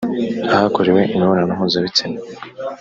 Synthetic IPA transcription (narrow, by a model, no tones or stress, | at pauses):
ahakoɾewe̞ʔimiβoɾanamuːzaβit͡sine